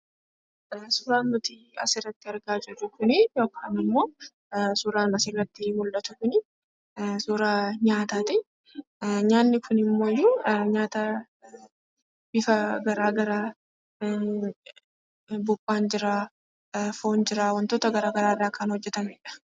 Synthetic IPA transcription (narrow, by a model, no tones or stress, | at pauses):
sʊːɾaːnːʊt̪ɪ | ɐ̰sɪrɐt̪ːɪɐɾɡaːd͡ʒɛrʊkʊnɪjo̞ːkʰaːnɪmːo̞ː | sʊɾaːnɐsɪrɐt̪ːɪmʊlʔɐt̪ʊkʊnɪ | suːɾaɲaːt̪aːt̪ɪ | ɲaːnːɪkʰʊnɪmːo̞ːjuːɲaːt̪ɐ | b̥ɪfɐɡɐɾaːɡɐɾaː | bʊbːaːnd͡ʒɪɾaː | foːnd͡ʒɪɾaːwɐnt̪oːt̪ɐɡɐɾaːɡɐɾaːrːaːkɐnhɔd͡ʒːɛt̪ɐmɛᶑɐ̥